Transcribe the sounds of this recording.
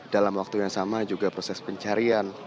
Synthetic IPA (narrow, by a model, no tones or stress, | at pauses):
d̥alamwak̚t̪ujaŋsamad͡ʒuɡapɾosɛspəɲt͡ʃaɾian